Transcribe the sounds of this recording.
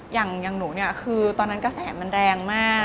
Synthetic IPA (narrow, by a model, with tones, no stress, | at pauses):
jaː˨˩ŋja˨˩ŋnuː˩˦ni˥˩ɐkʰɯː˧t̪ɔː˧nːa˦˥nkɔ˥˩sɛː˩˦ma˧nɾɛː˧ŋmaː˥˩